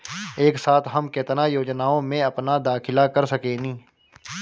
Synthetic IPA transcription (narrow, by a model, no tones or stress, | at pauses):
eːksaːt̪ʰɦɐmkeːt̪najoːd͡ʒnaːõmẽɐpnad̪aːkʰɪlakɐɾsəkeːnĩː